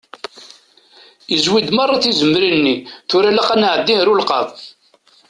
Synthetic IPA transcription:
izwid̪mɑrˤːɑθizəmːɾinːiθʊɾælaqænʕəd̪ːinɾulqɑ̰ðˤ

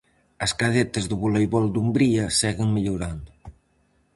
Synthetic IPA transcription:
əskaðet̪ezðuβulejβɔld̪umbɾiasɛɣeŋmiʎuɾand̪u

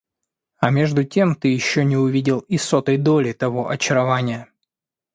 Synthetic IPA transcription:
ɐmʲe̞ʐd̪ʊtʲe̞mt̪ɨjɪɕːonʲɪʊvʲidʲɪlˠɪsot̪əjd̪olʲɪt̪ɐvo̞ʔɐt͡ɕɪɾɐvanʲɪjə

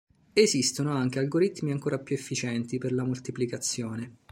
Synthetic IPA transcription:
ezist̪onoaŋk̟ealɡoɾit̪ːmiaŋkoːɾapjuefːit͡ʃɛnt̪iperlamult̪iplikat̪sːjoːne

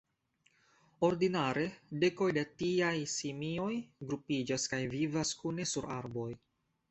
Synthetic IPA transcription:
o̞ɾdinaɾe̞de̞ko̞jdatiajsimio̞jɡɾupid͡ʒaskajvivaskune̞suɾa̰ɾbo̞j

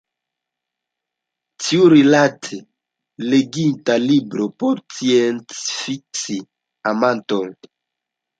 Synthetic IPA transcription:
tʰiuɾilatʰe | leɡintalibɾopoɾt͡sijent͡sfiksi | amanton

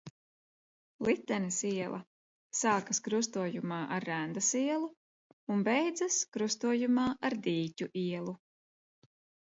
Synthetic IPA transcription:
lˠit̪ːɛnɐsiɛlˠʔɐ̰ | saːkɐskɾus̬t̪uɔjumaːʔaɾːænd̪ɐsiɛlˠu | unbɛjd̪zaskɾust̪uɔjumaːʔaɾd̪iːcʲuʔiɛlˠu

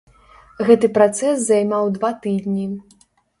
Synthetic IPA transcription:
ɣɛt̪ɨpɾat̪sɛszajmawd̪vat̪ɨd̪ʲnʲi

